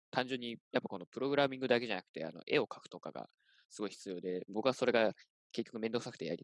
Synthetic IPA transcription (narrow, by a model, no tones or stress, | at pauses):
t̪ãɲd͡ʑɨ̃ɲ̟ːijapːako̞no̞pɯ̟ɾo̞ɡɯ̟ɾamʲĩŋɡɯ̟d̪ake̞ʑanakɯ̟̥t̪e̞̰a̰no̰ʔe̞̰o̞kʰḁkɯ̟̥t̪o̞ka̰ɡa̰ | sɨɡo̞içi̥t͡sɨjo̞ːd̪e̞bo̞kɯ̟βaso̞ɾe̞ɡa | ke̞kʲːokɯ̟me̞nd̪oksnakɯ̟̥t̪eja̰ɾi